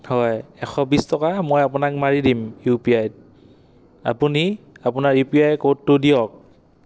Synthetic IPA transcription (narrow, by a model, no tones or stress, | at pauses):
hɔjɛxʰɔbistɔkamojapunak̚maɹidimjupiajd̚ | a̰puni | apunaɹjupiajkotːʊdijɔk̚